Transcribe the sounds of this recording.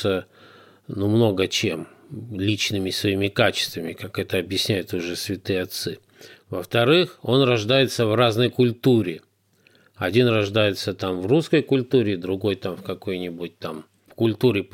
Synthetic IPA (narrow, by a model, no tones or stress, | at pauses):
ə | numno̞ɡət͡ɕemlʲit͡ɕnɨmʲɪsvɐimʲɪkat͡ɕɪ̥st̪vəmʲɪkakɛt̪əɐbjɪsʲnʲæjʊt̪ʊʐɛsvʲɪt̪ɨjɐt̪sɨ | vəft̪ɐɾɨxo̞nrɐʐd̪ajɪt̪səvraznəjkʊlʲt̪uɾʲɪ | ɐdʲinrɐʐd̪ajɪt̪sət̪amvruskəjkʊlʲt̪uɾʲɪd̪ɾʊɡo̞jt̪amfkɐko̞jnʲɪbʊt̚ʲt̪am | fkʊlʲt̪uɾʲɪ